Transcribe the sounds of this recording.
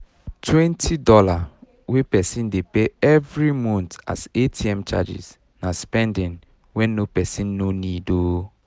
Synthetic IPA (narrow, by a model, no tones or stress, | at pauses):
tʰwɛ̃ntʰidɔla | wepɛsĩndepeɛvɹimɔ̃nta̰setʰiɛ̃mt͡ʃa̰d͡ʒḭz | naspɛ̃ndĩn | wɛ̃nopɛsĩnːonido